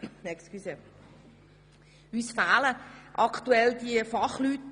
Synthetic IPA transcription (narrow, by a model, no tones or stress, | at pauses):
nɛkstkysə | ysfaːləʔɑkt̪uɛldiəfɑχlyːt